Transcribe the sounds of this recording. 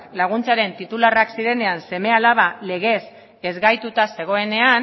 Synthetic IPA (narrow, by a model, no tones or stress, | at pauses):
klaɣ̞unt͡saɾe̞nt̪it̪ularaksiɾe̞ne̞anse̞me̞alaβ̞ale̞ɣ̞e̞s | e̞zɡajt̪ut̪ase̞ɣ̞o̞e̞ne̞an